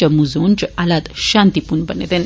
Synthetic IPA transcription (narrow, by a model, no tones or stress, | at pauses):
əmud͡zont͡ɕealat̪ɕãnt̪ipunbənḛt̪en